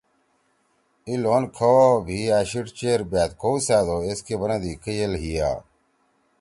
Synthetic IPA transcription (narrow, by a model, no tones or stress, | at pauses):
iloːnkʰobʱiːaːɕiʈt͡ɕeːɾbaːt̪kʰoːusaːd̪oːeskeːbənãːd̪iːkəjəlɦija̰ː